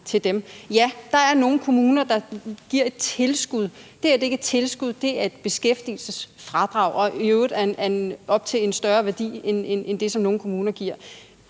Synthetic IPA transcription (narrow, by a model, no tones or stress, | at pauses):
t͡sʰe̝ld̥emjæd̥ɑ̈æɐno̝ːn̩kʰo̝muːnɐd̥ɑ̈ɡ̥iɐ̰e̝d̥̚t͡sʰe̝lsɡ̥uð̞ˠd̥e̝æɐdee̝ɡ̥e̥t͡sʰe̝lsɡ̥uð̰ˠd̥e̝æɐe̝d̥̚b̥e̝sɡ̥efd̥ḭl̩səsfʁɑ̈d̥ʁɑ̈ʊ̰ʔɒ̽øʊð̩ˠæɐnʔæɐenɒ̽b̥̚t͡sʰe̝e̝nsd̥ɶɐʋæɐd̥ḭːenenend̥e̝sɒ̽mno̝ːn̩kʰo̝muːnɐɡ̥iɐ̰